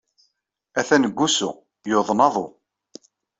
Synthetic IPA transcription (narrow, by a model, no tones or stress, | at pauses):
æθænəɡʷːusṵ | joðˤnɑðˤo